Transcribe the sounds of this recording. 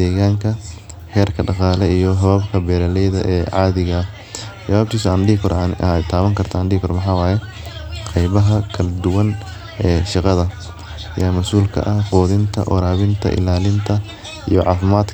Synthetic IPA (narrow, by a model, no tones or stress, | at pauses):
ɛːɣaːŋkʰɐ | hɛːrkʰɐɖɑqɑːlɛijɔɦɔaːbkʰɐbɛːɾɐlɛjðɐ̰ʔɛːʕɑːðɪɣɐ | t͡ʃɐβaːb̚t̪ʰiːsɐɐnd̪iːkʰɔɾnt̪ʰaːβɐŋkʰɐrt̪ʰɐːnd̪iːkʰɔrmɑħɑːwaːjɛqɑjβɐɦɐkʰɐlɐd̪ʊwɐn | ɛːʃɪqɑðɐ | jaːmɐsuːlkʰɐ̰ʔɐhqɔːðɪnt̪ʰɐ̰ʔɔ̰ɾaːβɪnt̪ʰɐ̰ʔɪ̰laːlɪnt̪ʰɐ | ḭjɔʕɑ̰ːfɪmaːd̪